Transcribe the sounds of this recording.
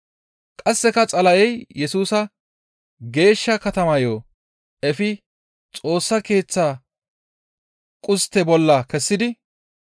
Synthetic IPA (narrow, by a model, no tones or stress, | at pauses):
kʼɐsːɛkɐt͡sʼɐlɐʔɛjjɛsuːsɐ | ɡe̞ːʃːɐkɐt̪ɐmɐjoː | ɛfɪ | t͡sʼo̞ːsːɐke̞ːt͡sːaː | kʼʊst̪ːɛbɔlːɐkɛsːɪd̪ɪ